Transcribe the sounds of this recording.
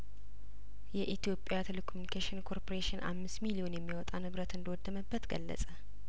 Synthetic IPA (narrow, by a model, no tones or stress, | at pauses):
jɛʔit̪ijo̞pʼjat̪ʰelekʰomunikʰeʃɪnkʰo̞ɾpʰoɾeʃɪnʔa̰mːɨst̪milio̞njɛmːijwɔt̪ʼanɨβɾət̪ɨnd̪əwɔd̪ːəməbːət̪ɡəlːə̰sʼə